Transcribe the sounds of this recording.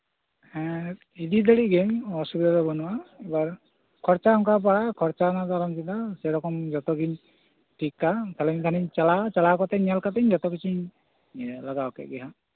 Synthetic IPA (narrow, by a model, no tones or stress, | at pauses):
ɛ̃ | id̪id̪aɽiɡemɔsubid̪ɔɔbɔnʊwaɛbaɹ | kʰɔɹt͡ʃaɔŋkap̬aɽakʰɔɹt͡ʃanat̪alɔmsitasɛɾɔkɔmzɔt̪ɔɡiɲ | ʈʰikːat̪ʰalɛmit̪ʰaniɲt͡ʃalat͡ʃalakɔt̪ɛnjalkat̪ɛɲzɔt̪ɔkit͡ʃʰiɲ | laɡawkɛ̰ɡɛɦa